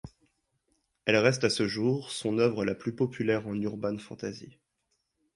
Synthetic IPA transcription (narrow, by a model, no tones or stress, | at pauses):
ɛlʁɛst̪asəʒuʁsɔ̃nœvʁəlaplypɔpʰylɛʁɑ̃nyʁbanfɑ̰̃t̪azḭ